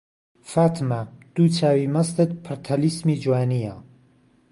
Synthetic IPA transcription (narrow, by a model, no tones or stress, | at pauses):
faːt̪ʰmad̪̥uːt͡ʃʰaːwimɐst̪ɨt̪̚pʰɨɾt̪ʰɐlismiːd͡ʒwaːnija